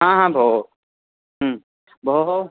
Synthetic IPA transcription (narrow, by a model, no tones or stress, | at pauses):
ɦãːɦãːbʱoː | ɦ | bʱo